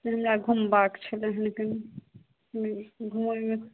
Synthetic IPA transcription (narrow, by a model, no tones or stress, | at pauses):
ɦəmɾaɡʱumbakt͡ʃʰəleɦənken | ɦəmeɡʱumome